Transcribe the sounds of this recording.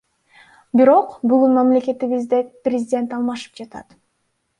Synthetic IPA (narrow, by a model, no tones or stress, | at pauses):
biɾo̞qbuɡunmamlʲe̞kʲe̞t̪iβizd̪eprʲɪzʲɪdʲe̞nt̪ɑlˠmɑʃɯ̥p̚d͡ʒɑt̪ɑ̰t̪